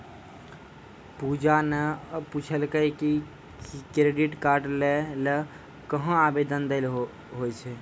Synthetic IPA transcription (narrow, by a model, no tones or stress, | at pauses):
pud͡ʒanəput͡ʃʰəlkəjki | kɾeɖiʈkaɾɖlelə | kəɦə̃abed̪ənd̪el | ɦojt͡ʃʰɛ